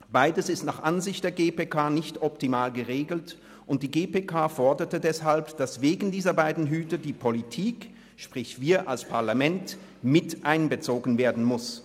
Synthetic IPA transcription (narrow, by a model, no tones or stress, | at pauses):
b̥aɪdəsɪstnaːχʔanzɪçt̚d̥eːɐɡeːpeːkʰaːnɪçtɔptimaːlɡəʁeːɡl̩t | ʔʊnt̚d̥iːɡeːpeːkʰaːfɔɐdɐtədɛshalpd̥asv̥eːɡn̩diːzɐbaɪdn̩ɦyːtɐdiːpʰolitʰiːk | ʃpʁ̥ɪçv̥iːɐʔalspʰaɐlamɛnt | mɪtʔaɪnbət͡soːɡən̩veːɐdn̩mʊs